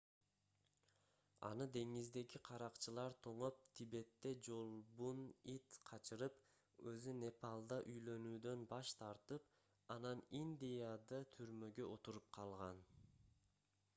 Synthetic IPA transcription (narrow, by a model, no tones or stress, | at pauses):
ɑ̰nɯd̪e̞ŋizd̪e̞ɡiqʰɑɾɑqt͡ʃɯlˠɑɾt̪ʰo̞ɴo̞p̚t̪ʰibe̞t̪ːe̞d͡ʒo̞lˠbunit̪qʰɑt͡ʃɯɾɯp | ø̰zyne̞pɑlˠd̪ɑʔyjlø̞nyːd̪ø̞nbɑʃt̪ʰɑɾt̪ɯp̚ | ɑnɑninʲd̪ʲijad̪ɯt̪ʰyɾmø̞ɡøʔo̞t̪uɾup̚qʰɑlˠʁɑn